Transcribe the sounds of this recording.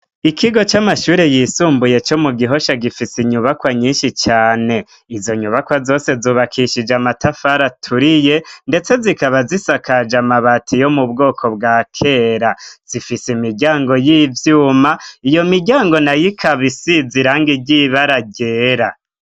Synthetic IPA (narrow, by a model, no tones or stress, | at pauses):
ikiɡo̞t͡ʃamaʃuːɾe̞jisuːmbuje̞t͡ʃo̞muɡiɦo̞ʃaɡifisiɲuβakwaɲiːnʃit͡ʃaːne̞ | izo̞ɲuβakwazo̞ːse̞zuːβakʰiʃid͡ʒamatafaɾatʰuɾije̞nde̞t͡se̞zikaβazisakad͡ʒamaβatʰijo̞mubɡo̞ːkʰo̞bɡaːkʰe̞ːɾaz̥ifisimiɟaːŋɡo̞jiːvjuːmaijo̞miɟaːŋɡo̞najikʰaβisiziɾaːŋɡiɟiβaɾaɟe̞ɾa